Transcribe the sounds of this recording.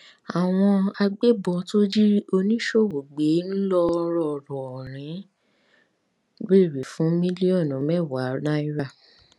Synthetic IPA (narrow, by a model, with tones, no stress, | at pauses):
a˨w̃ɔ̃˧a˧ɡ͡be˦bɔ˧to˦d͡ʒi˦o˧nĩ˦ʃo˦˨wo˨ɡ͡be˨˦n̩˦lɔ˦˧ɾɔ˦˨ɾɔ˨ɾ̃ĩ˨˦ | be˦˨ɾe˨fũ˨˦mĩ˦li˦ɔ˦˨nũ˨˦mɛ˦˨wa˨˦na˦i˦ɾa˦˨